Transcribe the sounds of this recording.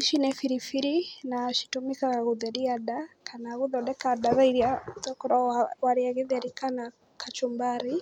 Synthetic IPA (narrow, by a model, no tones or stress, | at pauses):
iʃinɛfiɾifiɾinaʃi̥tumikaɣaɣuðɛɾiadakʰanaɣuðɔɗɛkaɗaβaiɾiaðɔkɔɾɔwaɾiaɣiðɛɾikana | kʰat͡ʃumbaɾi